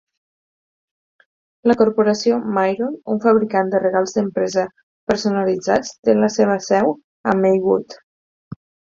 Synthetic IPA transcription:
ləkuɾpuɾəsiomajɾonuɱfəβɾikand̪ərəɣalˠzd̪əmpɾɛzə | pəɾsunəlid͡za̰t͡st̪eləseβ̞əsɛw | əmejɣut̪

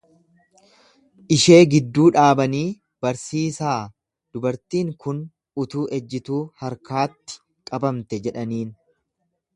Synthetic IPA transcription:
ʔɪʃe̞ːɡɪd̪ːuːᶑaːbɐniː | b̥ɐɾsiːsaː | d̪̥ʊbɐɾt̪iːŋkʊn | ʊt̪uːʔɛd͡ʒːɪt̪uːhɐɾkaːt̪ːɪ̥ | kʼɐbɐmt̪ɛd͡ʒɛᶑɐniːn

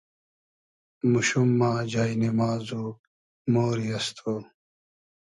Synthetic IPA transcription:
muɕumːaːd͡ʑaːinimaːzu | moːɾiɐst̪ʰoː

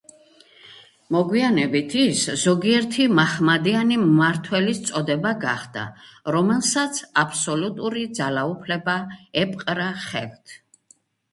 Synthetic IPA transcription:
mɔɡwianɛbit̪ʰiszɔɡiɛɾt̪ʰimaχmad̪ianimːaɾt̪ʰwɛlist̪sʼɔd̪ɛbaɡa̰χd̪a̰ɾɔmɛlˠsat̪sʰapʰsɔlut̪ʼuɾid̪zalaupʰlɛbaɛpʼqʼɾaχɛ̰lt̪ʰ

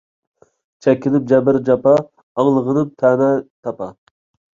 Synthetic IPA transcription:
t͡ʃʰɛkʲːɪlɪp̚d͡ʒɛbɪɾd͡ʒɑpɑ | ɑŋlˠəʁənɨp̚t̪ʰɛːnɛt̪ʰɑpɑ

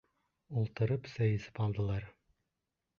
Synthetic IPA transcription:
ulˠt̪ɤ̆ɾɤpsæjɘ̆sɘ̥pɑlˠd̪ɤ̆lˠɑɾ

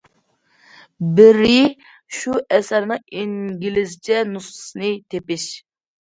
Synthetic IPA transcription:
bɪɾɪ | ʃuʔɛsæɾnɨŋiŋɡʲilɪzt͡ʃʰɛnusɨ̥snɨt̪ʰepɪʃ

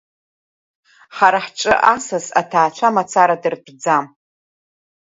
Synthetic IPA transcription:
χaɾaħʈ͡ʂʼɨʔasasa̰tʰaːt͡ʃʷʰamat͡sʰaɾadɨrpʰd͡zam

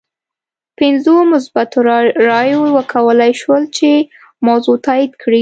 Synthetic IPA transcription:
pɪnzomʊs̬bat̪oɾɾɑjowəkʰawəlajʃwəlt͡ʃe | mawzot̪ɑid̪kʰɽi

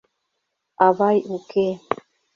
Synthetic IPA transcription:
aβajʔuke

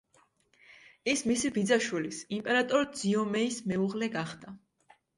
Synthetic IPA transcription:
ismisibid̪zaʃwilisimpʼɛɾat̪ʼɔɾd̪z̥iɔmɛismɛuʁlɛɡaχd̪̥a

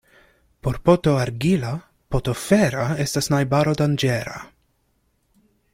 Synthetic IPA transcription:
po̞ɾpot̪o̞aɾɡila | pot̪o̞feɾae̞stasnajbaɾo̞d̪and͡ʒeɾa̰

